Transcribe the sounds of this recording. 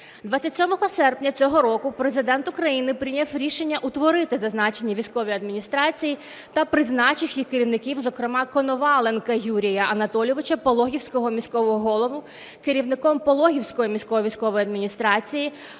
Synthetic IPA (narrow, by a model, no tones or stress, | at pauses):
d̪ʋat͡sʲːɐtʲsʲɔmɔɦɔsɛrpnʲɐt͡sʲɔɦɔɾɔkʊpɾe̞zɪd̪ɛnt̪ʊkɾɐjinɪpɾʲɪnʲɐfɾʲiʃe̞nʲːɐʔut̪ʋɔɾɪt̪ɪzɐznɑt͡ʃe̞nʲːɐʋʲijsʲkɔʋʲijɐd̪mʲinʲist̪ɾɑt͡sʲiji | t̪ɐpɾɪznɑt͡ʃɪwjixkeɾʲiwnɪkʲiwzɔkɾemɑkɔnɔʋɑlˠenkɐjuɾʲijɐʔɐnɐt̪ɔlʲɔʋɪt͡ʃɐpɔlˠɔɦʲiwsʲkɔɦɔmʲisʲkɔʋɔɦɔɦɔlˠɔʋʊ | keɾʲiwnɪkɔmpɔlˠɔɦʲiwsʲkɔjimʲisʲkɔɦɔʋʲijsʲkɔʋɔjiɐd̪mʲinʲist̪ɾɑt͡sʲiji